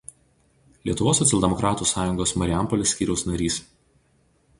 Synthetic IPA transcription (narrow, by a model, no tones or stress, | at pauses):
lʲiɛt̪ʊʋoːsːɔt̪sʲɛlʲˠd̪ʲɛmɔkɾɑːt̪uːsɑːjʊŋɡoːsmɐɾʲɪæˑmpɔlʲesʲkʲiːɾʲɛʊsnɐɾʲiːs